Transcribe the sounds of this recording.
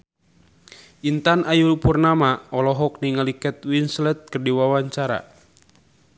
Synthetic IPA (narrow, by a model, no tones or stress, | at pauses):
ʔint̪anʔajulpurnamaɔlɔɦɔk̚niŋalikɛt̪̚winslɛt̪̚kərdiwawaɲt͡ʃaɾa̰